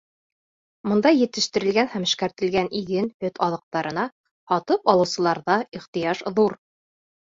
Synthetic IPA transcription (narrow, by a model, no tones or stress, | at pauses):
mɤ̆nd̪ɑjːɘ̆t̪ɘ̆ʃt̪ɘ̆ɾɘ̆lɡænhæmɘ̆ʃkæɾt̪ɘ̆lɡænʔiɡɘnhɵt̪ɑðɤ̆q̚t̪ɑɾɤ̆nɑ | hɑt̪ɤpɑlˠɤ̆wsɤ̆lˠɑɾðɑiχt̪ɤ̆jɑʃðuɾ